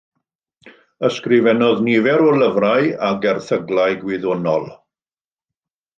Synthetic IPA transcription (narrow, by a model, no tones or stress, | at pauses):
əskrɪvɛnɔðniːvɛɾɔləvraɨaɡɛrθəɡlˠaɨɡwɪðɔnɔlˠ